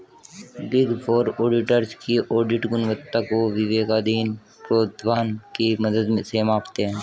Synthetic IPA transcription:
bɪɡfoːɾoːɖɪʈəɾskiʔoːɾɖɪʈɡʊnʋət̪ːakoʋɪʋeːkaːd̪iːn | pɾoːd̪ʋaːnkiməd̪əd̪mesemaːpt̪eɦɛ̃ː

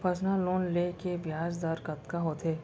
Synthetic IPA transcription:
pʰɐsnaloːnleːkebjaːzd̪aɾkɐt̪kaɦoːt̪ʰeː

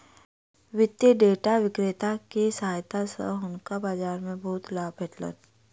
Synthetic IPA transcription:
ʋɪt̪jəɖeːʈaʋɪkɾɪt̪akesəɦaːjt̪asə̰ʊnkabaːd͡ʒaːɾmẽbɔɦʊt̪laːbɛʈlə̰n

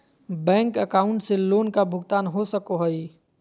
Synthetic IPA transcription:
bɛ̃ːŋkəkaːʊ̃ɳʈseloːnkabʱʊɡt̪aːnɦosəkoɦəi

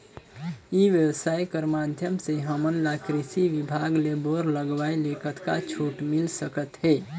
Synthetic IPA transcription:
iʋjəwəsajkəɾmad̪ʱjəmseɦəmənlakɾisiʋibʱaɡleboɾləɡʋajlekʰət̪kat͡ʃʰuʈmilsəkət̪ɦɛ

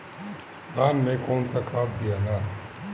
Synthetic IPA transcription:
d̪ʱaːnmẽkoːnsakaːt̪d̪ijana

